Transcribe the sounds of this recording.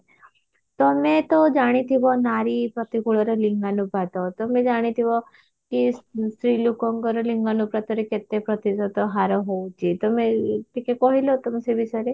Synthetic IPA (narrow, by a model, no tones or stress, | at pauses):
t̪ɔmet̪od͡ʒaɽ̃it̪ʰibɔnaɾipɾɔt̪ikuɭɔɾɔliŋɡanupɾat̪ɔt̪ɔmẽd͡ʒaɽ̃it̪ʰiʋɔ | kissɾilukɔŋɡɔɾɔliŋɡanupɾat̪ɔɾeket̪epɾɔt̪isɔt̪ɔɦaɾɔɦot͡ʃʰit̪ɔmeʈikekɔɦilɔt̪ɔmsebisɔɾe